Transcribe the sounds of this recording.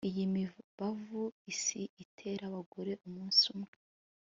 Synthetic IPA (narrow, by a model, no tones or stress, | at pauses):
ijimiβavuisiʔitʰe̞ɾaβaɡoɾe̞ʔumuːnsumŋe̥